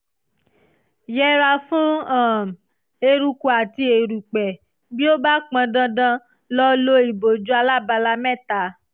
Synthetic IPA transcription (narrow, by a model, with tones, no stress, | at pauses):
jɛ˦ɾa˧fũ˦ã˦˨m˨ | e˧ɾu˧ku˨a˨ti˧e˨ɾu˨k͡pɛ˨ | bi˦o˦ba˦k͡pã˧dã˧dã˧ | lɔ˦lo˦i˨bo˨d͡ʒu˦a˧la˦˨ba˧la˧mɛ̃˦˨ta˨˦